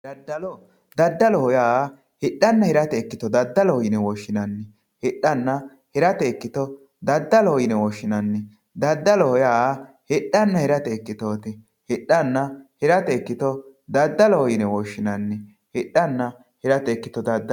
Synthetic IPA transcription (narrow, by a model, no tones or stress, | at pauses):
d̪ɐd̪ːɐl | d̪ɐd̪ːɐlɔhɔjaː | hɪɗːɐnːɐhɪɾɐt̪ɛːkːɪt̪ɔd̪ɐd̪ːɐlɔhɔjɪnɛwɔʃːɪnɐnːɪ | hɪɗːɐnːɐ | hɪɾɐt̪ɛːkːɪt̪ɔ | d̪ɐd̪ːɐlɔɔjɪnɛwɔʃːɪnɐnːɪ | d̪ɐd̪ːɐlɔɔjaː | hɪɗːɐnːɐhɪɾɐt̪ɛːkːɪt̪oːt̪ɪ | hɪɗːɐnːɐhɪɾɐt̪ɛːkːɪt̪ɔd̪ɐd̪ːɐlɔhɔjɪnɛwɔʃːɪnɐnːɪ | hɪɗːɐnːɐ | hɪɾɐt̪ɛkːɪt̪ɔd̪ɐd̪ː